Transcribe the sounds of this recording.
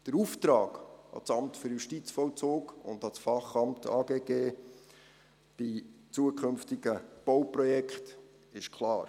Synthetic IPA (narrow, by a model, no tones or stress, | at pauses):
d̥əɾuft̪ɾɑːɡɑ̰t͡sɑmtføɾjuʃtit͡sfɔwt͡soːkʊ̰ndɑt͡sfɑχɑmtʰɑːɡeːɡ̥eː | b̥it͡suəkʰɵnftiɡ̥əb̥ɔwprɔjɛkχt | ɪʃkʰlɑːɾ